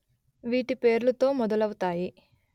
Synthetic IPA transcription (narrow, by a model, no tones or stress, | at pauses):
ʋiːʈipe̞ːɾlɐt̪o̞ːmɔd̪ɐlɐwut̪aːji